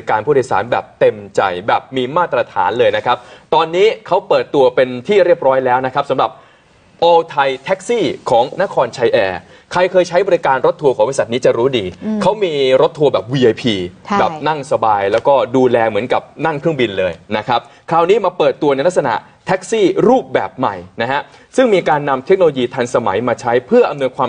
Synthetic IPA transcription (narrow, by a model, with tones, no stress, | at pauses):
i˧kaː˧npʰuː˥˩dʰːsa̰ː˩˦nbɛ̰ː˨˩p̚t̪e˧mt͡ɕa̰˧jbɛː˨˩p̚miː˧maː˥˩t̪ːɾa˧t̪ʰa̰ː˩˦nlɤː˧jna˦˥kʰa˦˥p̚t̪ɔː˧nːiː˦˥kʰa˦˥wpɤː˨˩t̪ːu˧ɐpe˧nt̪ʰiː˥˩ɾi˥˩əp̚ɾɔː˦˥jlɛː˦˥wna˦˥kʰa˦˥p̚sa˩˦mɾa˨˩p̚ | ʔoː˧t̪ʰa˧jt̪ʰɛ˦˥k̚siː˥˩kʰɔː˩˦ŋna˦˥kʰɔː˧nt͡ɕʰa˧jʔɛː˧ | kʰɾa˧jkʰɤː˧jt͡ɕʰa˦˥jbɔː˧ɾi˦˥kaː˧nɾo˦˥t̪ʰːu˧kʰɔː˩˦ŋbɔː˧sa˨˩t̪̚niː˦˥t͡ɕa˨˩ɾuː˦˥diː˧kʰa˦˥wmiː˧ɾo˦˥t̪ʰːu˧bɛː˨˩p̚wiː˧ʔa˧jpʰiː˧bɛː˨˩p̚na˥˩ŋsa˧baː˧jlɛː˦˥wkɔː˥˩duː˧lɛː˧mɯ˩˦ənka˨˩p̚na˥˩ŋkʰɾɯ˥˩əŋbi˧nlɤː˧jna˦˥kʰa˦˥p̚ | kʰaː˦˧˥wniː˦˥maː˧pɤː˨˩t̪ːu˧ɐna˧jla˦˥k̚sa˧na̰˨˩ʔ | t̪ʰɛ˦˥k̚siː˥˩ɾuː˥˩p̚bɛ̰ː˨˩p̚ma̰˨˩jna˦˥ɦa˦˥ | sɯ˥˩ŋmiː˧kaː˧nːa˧mt̪ʰe˦˥k̚no˧lo˧jiː˧t̪ʰa˧ŋsa˧ma̰˩˦jmaː˧t͡ɕʰa˦˥jpʰɯ˥˩ɐʔa˧mnu˧jkʰwaː˧m